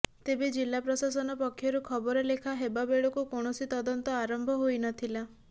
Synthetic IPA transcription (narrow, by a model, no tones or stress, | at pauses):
t̪ebed͡ʒilːapɾɔsasɔnɔpɔkʰːjɔɾukʰɔbɔɾɔlekʰaɦebabeɭɔkukoɳ̃ɔsit̪ɔd̪ɔnt̪ɔaɾɔmbʱɔɦojnɔt̪ʰila